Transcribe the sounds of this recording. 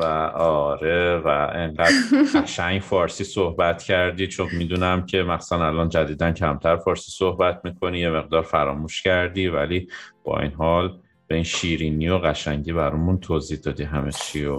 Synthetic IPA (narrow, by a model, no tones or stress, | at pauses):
væɒːɾevæeŋɢæd̪ɢæʃæŋɟfɒːɾsiːsohbæt̪cʰæɾd̪iːt͡ʃʰonmiːd̪uːnæmcʰe̞mæxssænælɒːnd͡ʒæd̪iːd̪æncʰæmt̪ʰæɾfɒːɾsiːsohbæt̪̚ʰmiːkʰo̞nije̞me̞ɣd̪ɒːɾfæɾɒːmuːʃcæɾd̪iːvæ̰liːb̥ɒ̰ːʔḭnɦɒːl | b̥einʃiːɾiniːjo̞ɣæʃæɲɟiːbæɾɒmunt̪ʰoziːhd̪ɒːd̪iɦæmet͡ʃʰijo